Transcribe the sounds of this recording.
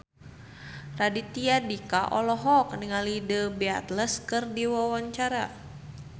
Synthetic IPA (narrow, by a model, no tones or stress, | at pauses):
radit̪iadikaʔɔlɔɦɔk̚niŋalidəbia̰t̪ləskɨrdiwawaɲt͡ʃaɾa